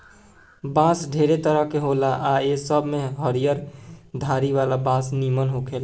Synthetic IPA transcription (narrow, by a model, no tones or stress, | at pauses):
bãːsɖʱeːɾet̪əɾəɦkeɦolaʔaesəbʱmẽɦəɾijəɾd̪ʱaːɾiʋaːlabãːsnimənɦokʰeːla